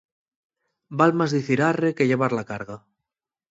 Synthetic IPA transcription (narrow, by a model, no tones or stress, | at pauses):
balmazðiθiɾarekeʎeβ̞aɾlakaɾɣa